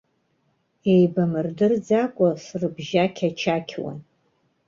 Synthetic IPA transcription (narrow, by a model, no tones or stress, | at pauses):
ejbamɨrdɨrd͡zakʷʼasrɨbʒakʲʰat͡ʃʰakʲʰwa̰n